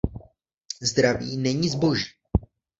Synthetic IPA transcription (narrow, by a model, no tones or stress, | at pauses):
zd̪ɾaviːnɛɲizbo̞ʒiː